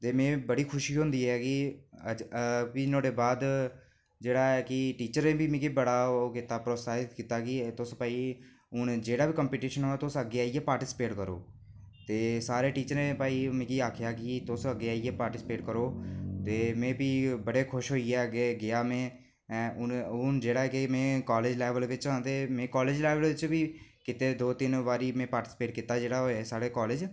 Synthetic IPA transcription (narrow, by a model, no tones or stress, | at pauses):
t̪eːmẽːbəɽiːkʰʊʃiːɦʊ̃nd̪iːɦɛːkɪəd͡ʒpiːnõːɖeːbaːd̪ | d͡ʒeːɽaːɛːkɪʈiːt͡ʃəɾẽːbiːmĩːkibəɽaːoːkɪt̪aːpɾoːsaːt̪kiːt̪aːkɪt̪ʊspaːiː | ʊnd͡ʒeːɽaːbiːkəmpiːʈiːʃənɦoːɛːt̪ʊsəɡeːaːiːɛːpaːɾʈɪːspeːʈkəɾo̰ː | t̪eːsaːɾeːʈiːt͡ʃəɾẽːpaːiːmẽːkiːaːkʰjaːkɪt̪ʊsəɡːeːaːiːeːpaːɾʈɪsɪ̥peːʈkəɾoːt̪eːmẽːpiːbəɽeːkʰʊʃɦoːiːɛːəɡeːɡɪjaːmẽː | ʊnʊnd͡ʒeːɽaːkemẽːkaːleːd͡ʒlɛːʋəlʋɪt͡ʃãːnd̪eːmẽːkaːleːd͡ʒlɛːʋəlʋɪt͡ʃbiːkɪt̪eːd̪oːt̪ɪnʋaːɾiːmẽːpaːɾʈɪspeːʈkɪt̪ːaːd͡ʒeːɽaːɦoeːsaːɽeːkɔːleːd͡ʒ